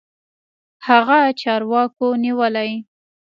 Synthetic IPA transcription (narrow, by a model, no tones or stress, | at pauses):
haɣat͡ʃɑɾwɑkoniwəlaj